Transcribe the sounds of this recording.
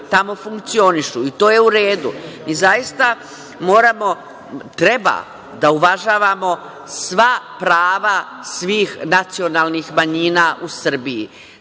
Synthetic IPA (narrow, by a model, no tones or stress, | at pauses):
t̪amo̞fuŋkt̪sio̞niʃuit̪o̞ːje̞uɾe̞ːd̪umiːzajist̪a | mo̞ːɾamo̞ | t̪ɾe̞ba̰ | d̪auʋaʒaːʋamo̞ | sʋapɾaːʋasʋiːxnat̪sio̞naːlnixmaɲiːnaːʔusr̩biḭ